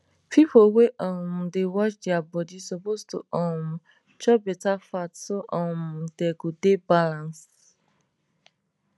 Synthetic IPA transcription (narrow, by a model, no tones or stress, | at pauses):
pipoweʔɔ̃m̩dewɔt͡ʃdiabɔdisɔpostuɔm | t͡ʃɔbɛtafatsoʔɔ̃mdeɡodebalãns